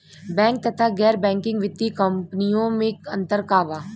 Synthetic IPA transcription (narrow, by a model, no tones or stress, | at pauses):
bɛ̃ːŋk̚t̪ɐt̪ʰaɡɛːɾbɛ̃ːŋkɪ̃ŋɡʋɪt̪ːikɐmpnijõmẽkɐ̰̃nt̪əɾkaːʋaː